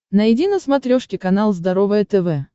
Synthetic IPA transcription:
nəjɪdʲinəsmɐt̪ɾʲoʂkʲɪkɐnalˠzd̪ɐɾovəjət̪ɛvɛ

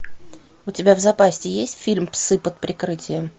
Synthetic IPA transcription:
ʊtʲɪbʲavzɐpasʲtʲɪjesʲtʲfʲilʲmpsɨpət̪̚pɾʲɪkɾɨtʲɪjəm

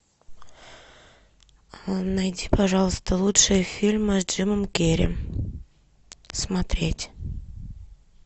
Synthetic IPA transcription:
najdʲipɐʐɑlˠəst̪əlˠutʂɨjəfʲilʲmɨdd͡ʒɨməmkʲeɾʲɪ̰ | smat̪ɾʲetʲ

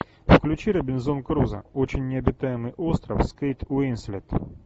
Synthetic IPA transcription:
fklʲʉt͡ɕiɾɐbʲɪnzonkɾuzɐ̰ot͡ɕɪnʲːɪɐbʲɪt̪ajɪmɨjʔost̪ɾɐfskejt̪uinsʲlʲɛt̪

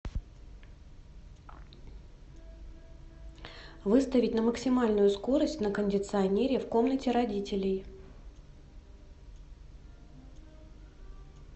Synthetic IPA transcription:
vɨst̪əvʲɪtʲnəməksʲɪmalʲnʊjʊsko̞ɾəsʲtʲnəkənʲdʲɪt̪sɨɐnʲeɾʲɪfko̞mnətʲɪɾɐdʲitʲɪlʲɪj

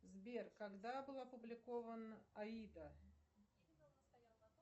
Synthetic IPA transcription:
zbʲerkɐɡd̪abɨlˠɐpʊblʲɪkovənɐid̪ə

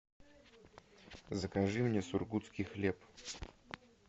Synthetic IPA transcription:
zəkɐʐɨmnʲesʊrɡut̪skʲijxlʲep

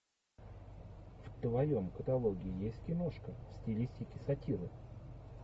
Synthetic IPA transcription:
ft̪vɐjo̞mkət̪ɐlˠo̞ɡʲɪɪjesʲt̚ʲkʲɪnoʂkəsʲtʲɪlʲisʲtʲɪkʲɪsɐtʲiɾɨ

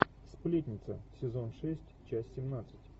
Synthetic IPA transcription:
splʲetʲnʲɪt̪səsʲɪzo̞nʂɛsʲtʲt͡ɕasʲsʲɪmnat̪sɨ̥tʲ

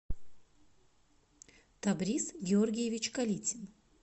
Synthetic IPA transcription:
t̪ɐbɾʲisɡʲɪorɡʲɪjɪvʲɪt͡ɕkɐlʲit͡sʲɪn

